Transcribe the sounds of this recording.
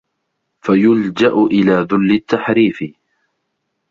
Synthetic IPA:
fajʊld͡ʒaʔʊʔɪlaːðʊlːɪt̪ːaħɾiːfɪ

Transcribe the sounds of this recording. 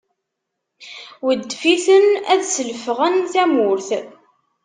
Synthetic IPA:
wəd̪ːfiθənæðsəlfʁənθæmʊɾθ

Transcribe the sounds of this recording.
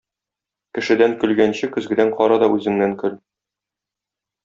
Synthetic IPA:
kɘ̆ʃɘ̆d̪æŋkɵ̆lɡænɕɘkɵ̆zɡɘ̆d̪æɴqɒɾɑd̪ɒʔʉzɘ̆ŋnæŋkɵl

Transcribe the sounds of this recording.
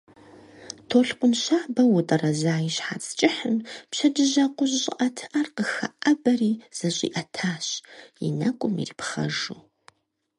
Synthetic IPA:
tʰoːɬqʷʊnʃaːbɐwʊtʼɐrɐzaːjiɕħa̰ːt͡sʰʼt͡ʃʼɪħəmpʃɐd͡ʒɨʑɐqʷʼʊʑɕʼɪ̰ʔɐtʰʔɐrqəxɐʔɐbɐriːz̥ɐɕʼḭːʔɐtʰaːɕjɪ̰nɐkʷʼʊmḭriːpχɐ̰ʒuː

